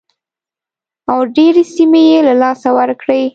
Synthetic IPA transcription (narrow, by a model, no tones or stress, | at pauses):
awɖeɾesimejelalɑsawəɾkɽəj